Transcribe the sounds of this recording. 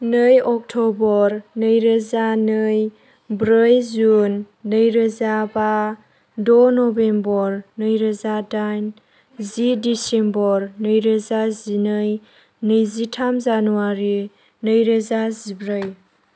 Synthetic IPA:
nɯjɔk̚tʰɔbɔɾnɯjɾəzanɯj | bɾɯjzunː | ɯjɾəzaba | dɔnɔbembɔɾnɯjɾəzadajn | zidisembɔɾnɯjɾəzazinɯj | nɯjzitʰamzanuwaɾi | nɯjɾazazibɾɯj

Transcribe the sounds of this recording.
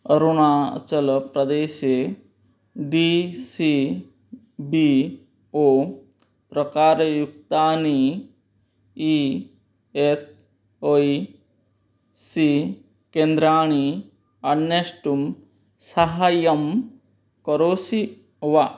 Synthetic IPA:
ɐɾuɽ̃aːt͡ʃɐlpɾɐd̪eːʃe | ɖisi | bi | o | pɾɐkaːɾɐjuk̚t̪aːni | i | es | oi | si | kend̪ɾaːɳ̃i | ɐnːesʈum | sɐɦaːjɐm | kɐɾoːsi | ʋa

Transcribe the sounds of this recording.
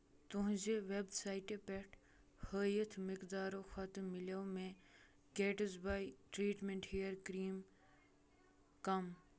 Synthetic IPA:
t̪ʊɦd͡ʒeʋebsaːiʈepɛʈ | həːjət̪ʰmɪkd̪aːɾoxɐt̪mɪlɐwmẽ | ɡeːʈəzbaːjʈɾiːʈmeɳʈhiːjəɾkɾiːm | kɐm

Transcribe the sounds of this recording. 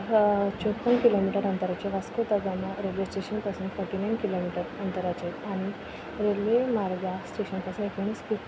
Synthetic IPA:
t͡ɕopːənkilomiʈəɾɐnt̪əɾat͡ɕeʋaskot̪ɐɡanaɾelʋesʈeɕənpɐsũnt̪fɔɾʈinajnkilomiʈəɾɐnt̪əɾat͡ɕet̪añi | ɾelʋemaɾɡasʈeɕənpasaekmɐɳiski

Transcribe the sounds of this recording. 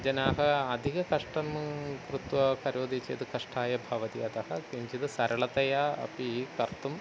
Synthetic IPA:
d͡ʑɐnaːɦɐɐd̪ʱiɣɐkɐʂʈɐnmkrɨt̪wɐkɐɾoːd̪ʱɐt͡ɕːḛjt̪ɨkɐʂʈʰaːjɐbʱɐʋɐd̪iɐt̪ɐhɐkiɲd͡ʑit̪ɨsɐɾɐɭɐt̪ɐjaːɐ̰pikɐrt̪ːum

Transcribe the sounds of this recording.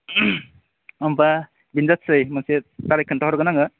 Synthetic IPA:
amba | binzat̚sɯjmansetaɾajkʰːɯntaɦɔɾɡanaŋɯ

